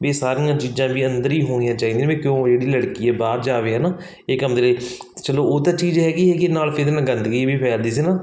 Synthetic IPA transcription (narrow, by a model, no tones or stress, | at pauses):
ʋeːsaːɾĩːãːt͡ʃiːd͡ʒãːbiːənd̪əɾiːɦoːɽ̃ɪ̃jãːt͡ʃaːɦiːd̪ẽʋeːkjõːd͡ʒeːɽiːləɽkiːɛːbaːɾd͡ʒaːʋeːɦɛːnaː | eːkɦəmd̪eːləiː | t͡ʃəloːoːt̪aːt͡ʃiːd͡ʒɦɛːɡiːɛːkeːnaːlpʰɪɾnɡənd̪kibiːpʰɛːld̪iːs̬iːnaː